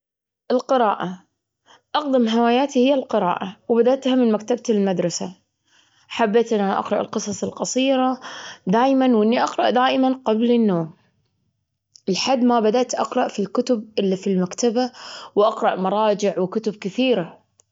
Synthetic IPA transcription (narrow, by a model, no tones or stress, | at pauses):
ʔɪlqɨɾɑːʔa | ʔɑqd̪ɪmɦawaːjaːt̪ihɪjːalqɪɾɑ̰ːʔawbad̪aʔt̪hamɪnmak̚t̪abt̪ɪlmad̪ɾˤɑsa | ħabːeːt̪ʔɪnʔanʔɑ̰qɾˤɑʔɪ̰lqɨsˤɑsˤɨlqɑsˤiːɾad̪aːjmanwʔɪnːiʔɑqɾˤɑʔd̪aːʔɪmanqɑblɪnːoːm | ʔɪlħad̪ːmabad̪aʔt̪ʔɑqɾˤɑʔfilkʊt̪ʊb̚ʔɪlːifilmakt̪abawʔɑqɾˤɑʔmɑɾˤɑːd͡ʒɪʕwɪkʊt̪ʊb̚kɪθiːɾa